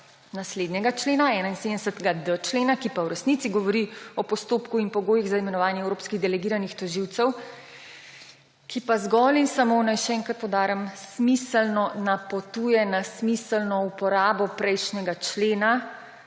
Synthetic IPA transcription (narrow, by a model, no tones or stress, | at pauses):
nasleːd̪njɛɡat͡ʃleːnaɛːnainseːd̪ɛsət̪ɛɡad̪ət͡ʃleːnakipawɾɛsnit̪siɡɔʋɔɾiɔpɔst̪oːpkuinpɔɡoːjiɣzaimɛnɔʋaːnjɛɛwɾoːpskiɣd̪ɛlɛɡiːɾanixt̪ɔʒiwt̪sɛw | kipazɡɔlinsamonajʃɛɛŋkɾat̪pɔwd̪aːɾəmsmisəlnɔnapɔt̪uːjɛnasmisəlnɔupɔɾaːbɔpɾɛjʃnʲɛɡat͡ʃleːna